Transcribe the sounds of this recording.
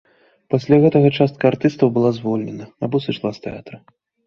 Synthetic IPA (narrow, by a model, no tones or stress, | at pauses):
pasʲlʲaɣɛt̪ɐɣɐt͡ʂast̪̚kɐart̪ɨst̪ɐwbɨlˠazvɔlʲnʲɛnɐabɔsɨt͡ʂlˠast̪ɛa̰t̪ɾɐ